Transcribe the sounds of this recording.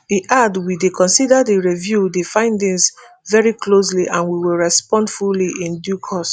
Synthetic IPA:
iʔadwidekʰɔ̃nsidadiɹivjudifãɪ̃ndɪ̃ŋs | vɛɹiklos̬liʔãnwiwilɹɛspɔ̃ndfuliʔĩndjukʰɔs

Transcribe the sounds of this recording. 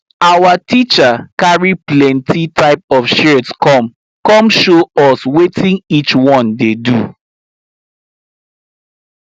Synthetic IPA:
awatit͡ʃakaɹiplɛ̃ntʰitaɪp̚ɔfʃɛtskɔ̃m | kɔ̃mʃoɔswetʰĩnit͡ʃwɔ̃ndedṵ

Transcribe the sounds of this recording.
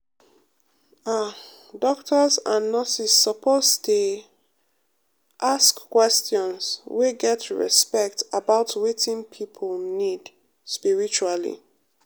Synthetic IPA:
a | dɔktʰəzãnːɔsisːɔpʰoztʰu | ʔaskkːwɛstjɔ̃nsweɡɛtʰɹɛ̰spɛk̚tabaʊtwetʰĩnpʰipʰolnid | spiɹit͡ʃualḭ

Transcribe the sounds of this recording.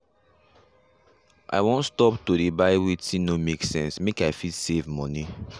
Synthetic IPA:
ʔa̰ɪwõntstɔptoɾibaɪwitĩnomeksɛ̰̃nsmekaɪfitsevmɔni

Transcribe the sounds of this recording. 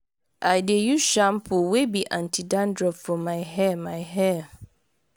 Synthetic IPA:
ʔajdejuʃãmpʰʊwebiʔãntʰidãndɾɔpfɔmãɪɦɛmãɪɦɛ

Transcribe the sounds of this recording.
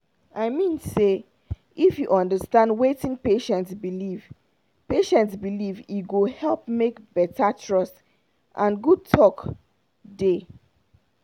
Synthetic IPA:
aɪmĩnse | ifjuʔɔ̃ndəstãndwetĩnpeʃɛ̃ntsbiliv | peʃɛ̃ntsbiliviɡohɛlˠp̚mekbɛtʰatʰɹɔs | ʔãnɡud̚tʰɔk | de

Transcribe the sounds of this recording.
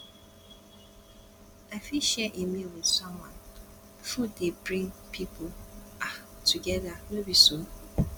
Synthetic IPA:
aɪfiʃɛʔimiwɪð̥sɔ̃mwɔ̰̃n | fudebɹĩŋpʰipʰʊa | tʰuɡɛðanobisũn

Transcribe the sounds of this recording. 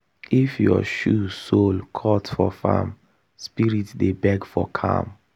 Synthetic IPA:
ifjɔ̰ʃusolkʰɔtfɔfa̰m | spiɹitdebɛɡfɔkʰã̰m

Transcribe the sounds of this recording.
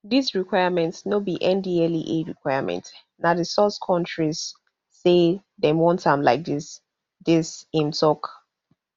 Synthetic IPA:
disɹikʰwaɪəmɛ̃ntsnobiʔɛ̃ndiɛliʔeɹikʰwaɪəmʔɛ̰̃nt | nadəsɔskʰɔ̃ntɹiz̥ː | e | demwɔ̃ntʰãmlaɪk̚dis | disĩmtʰɔk

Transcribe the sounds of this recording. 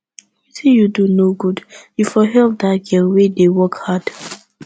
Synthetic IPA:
metʰĩjudunoɡudjufɔɦɛlp̚daɡɛlwedewɔkhad̥

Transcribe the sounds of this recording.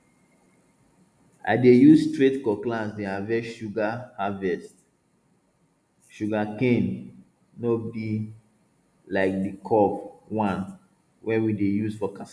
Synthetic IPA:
a̰ɪdejuzstɹetkɔklãsdeavɛʃuɡahavɛst | ʃuɡakẽn | nobi | laɪk̚dikʰɔpwãn | wɛ̃widejuzfɔkas

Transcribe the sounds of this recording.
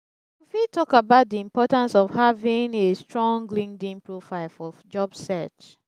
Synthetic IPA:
ifitʰɔkabaʊt̚diĩmpɔtãnsɔv̥havĩŋestɹɔ̃ŋlĩŋdĩnpɹofaɪlfɔd͡ʒɔbssɛt͡ʃ

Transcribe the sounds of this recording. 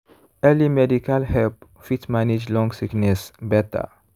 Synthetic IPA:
ɛlimɛdikalhɛlp | fit̪manid͡ʒlɔ̃ŋɡsiknɛsbɛt̪a̰

